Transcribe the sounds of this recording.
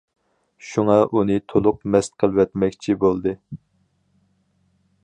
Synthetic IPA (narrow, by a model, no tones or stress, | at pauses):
ʃuŋɑʔunɨt̪ʰolˠʊq̚mɛst̪̚qʰəlˠwɛt̪mɛkʲt͡ʃʰibolˠd̪ɨ